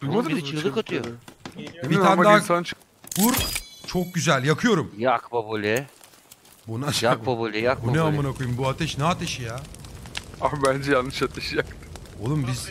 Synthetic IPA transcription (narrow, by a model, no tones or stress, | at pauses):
umad̪ɯmt͡ʃɯlˠɯkat̪ʰɯjo | iit̪amd̪asant͡ʃʰ | kuɾt͡ʃʰok̚ɟyzælʲjakʰɯjo̞ɾumjakbabulʲɛ | bunajababulʲɛjakbueamanakʰujumbuat̪ʰɛʃnɛat̪ʰɛʃija | ambænd͡ʒɛjanːɯʃat̪ʰɛʃjakt̪ | o̰lˠumbiz